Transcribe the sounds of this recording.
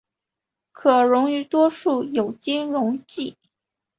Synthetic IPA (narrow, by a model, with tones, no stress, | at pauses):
kʰɤ˨˩ɻʊ˧˥ŋy˧˥t̪wɔ˥ʂu˥˩jo˨˩ʊt͡ɕi˥nɻʊ˧˥ŋt͡ɕi˥˩